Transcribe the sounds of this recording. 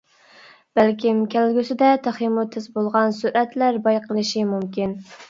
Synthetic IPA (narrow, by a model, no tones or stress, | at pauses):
b̥ælkʲimkʲʰælɡʲysɪd̪ɛt̪ʰæχimut̪ʰːɪzbolˠʁɑnsuɾʔɛt̪læɾbɑjqəlˠɨʃimumkʲin